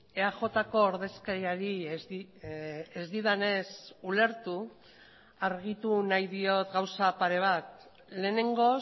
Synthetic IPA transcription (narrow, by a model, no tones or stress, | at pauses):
eaʝo̞t̪ako̞ːɾðe̞skaɾiaɾizi | ezd̪iðane̞sule̞ɾt̪u | aɾɣ̞it̪unajðio̞t̪ɣawsapaɾe̞β̞at̪̚ | le̞ːne̞ŋɡo̞